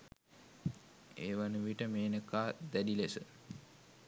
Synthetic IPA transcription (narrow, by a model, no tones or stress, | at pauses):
ḛːʋanuʋiʈəmeːnəkaːd̪ædilesə